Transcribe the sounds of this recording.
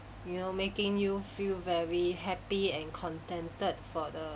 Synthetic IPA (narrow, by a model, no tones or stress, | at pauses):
junomekɪ̃ŋjufilvɛɹiɦɛpiɛ̃nkʰɔ̃ntɛ̃ntət̚fɔdə